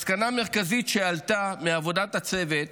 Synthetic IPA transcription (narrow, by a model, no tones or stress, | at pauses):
skaname̞ʁkazitʃealtameavo̞datat͡se̞vet̪̚